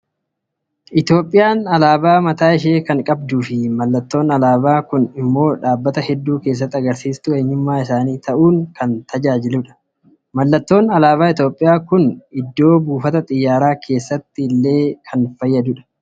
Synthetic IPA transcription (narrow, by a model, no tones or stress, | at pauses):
ʔɪt̪jo̞ːpʼːɪjaːnɐlaːbaːmɐt̪aːɪʃ̬eːkɐŋkʼɐbd̪uːfɪmɐlːɐt̪ːo̞ːnɐlaːbaːkʊnɪmːo̞ːᶑaːbːɐt̪ɐhɛd̪ːuːke̞ːs̬ːɐt̪ːɪɐɡɐɾsiːst̪ʊɛɲːʊmːaːɪsaːniːt̪ʰɐʔuːŋkɐnt̪ʰɐd͡ʒaːd͡ʒɪlʊᶑɐ̥ | mɐlːɐt̪ːo̞ːnɐlaːbaːɪt̪jo̞ːpʼːɪjaːkʊnɪd̪ːo̞ːbuːfɐt̪ɐt̪ʼɪjːaːɾaːkʰe̞ːsːɐt̪ːɪlːe̞ːkʰɐnfɐjːɐd̪ʊᶑɐ̥